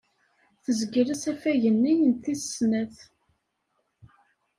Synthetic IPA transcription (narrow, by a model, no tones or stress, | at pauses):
θəzɡɾæsæfæʝənːijənt̪ːi̥snæθ